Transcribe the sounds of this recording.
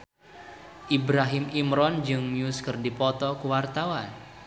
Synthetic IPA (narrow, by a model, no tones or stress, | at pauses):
ʔibɾaɦɪmimɾɔnd͡ʒɨŋmiuskərdipɔt̪ɔkuwart̪awan